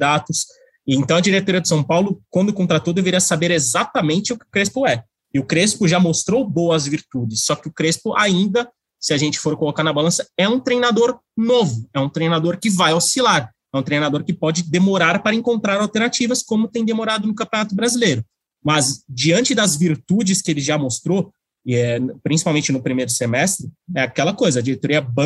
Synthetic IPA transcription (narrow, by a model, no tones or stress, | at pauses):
d̪at̪ʊs | ɪẽnt̪ɐ̃w̃ɐd͡ʒiɾet̪oɾiɐd̪ɪsɐ̃w̃pawlʊkwɐ̃nd̪ʊkõnt̪ɾat̪owd̪eveɾiɐsabeɾezat̪ɐmẽnt͡ʃɪʊkɪʊkɾespʊɛ | ɪʊkɾespʊʒamost̪ɾowboɐzviɾt̪ud͡ʒɪsːɔkɪʊkɾespʊʔaĩnd̪ɐ | sɪaʒẽnt͡ʃɪ̥foɾkolokaɾnɐbalɐ̃sɐɛũt̪ɾejnad̪oɾ | novʊɛũt̪ɾejnad̪oɾkɪvajawsilaɾ | ɛũt̪ɾejnad̪oɾkɪpɔd͡ʒɪd̪emoɾaɾpaɾɐẽŋkõnt̪ɾaɾawt̪eɾnat͡ʃivɐskõmʊt̪ẽj̃d̪emoɾad̪ʊnʊkɐ̃pʲjonat̪ʊbɾazilejɾʊ | mɐzd͡ʒiɐ̃nt͡ʃɪd̪ɐzviɾt̪ud͡ʒɪskɪelɪʒamost̪ɾo | ɛpɾĩsi̥pawmẽnt͡ʃɪnʊpɾimejɾʊsemɛst̪ɾɪɛakɛlɐkojzɐːd͡ʒiɾet̪oɾiɐbɐ̃